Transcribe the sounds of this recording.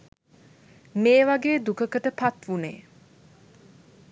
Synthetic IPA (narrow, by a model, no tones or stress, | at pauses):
meːʋaɡeːd̪ukəkəʈəpat̪ʋunḛː